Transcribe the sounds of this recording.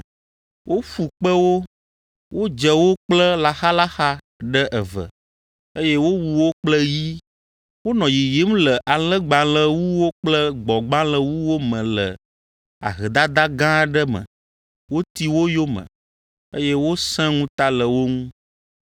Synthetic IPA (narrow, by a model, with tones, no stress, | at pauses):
wʔo˦fu˨k͡pə˦wo˦ | wʔo˦d͡ʒə˦wo˦k͡plə˦la˨xa˦la˦xa˦ | ɖə˦ʔɛ˨və̰˨ | e˦jɛ˦wo˦wu˨wo˦k͡plə˦ji˦ | wo˦nɔ̃˨ji˨ji˦m˦lə˨ʔa˨lə̃˦ɡ͡bã˨lə˦wu˦wo˦k͡plə˦ɡ͡bɔ˨ɡ͡bã˦lə˦wu˦wo˦mə̃˨lə˨ | a̰˨ɦɛ˨d̪a˦d̪a˦ɡã˦ɖə˦mə̰̃˨ | wo˦t̪i˦wo˦jo˦mə̰̃˨ | e˦je˦wo˦sɛ̃˦ŋũ˦t̪a˦lə˨wo˦ŋũ˦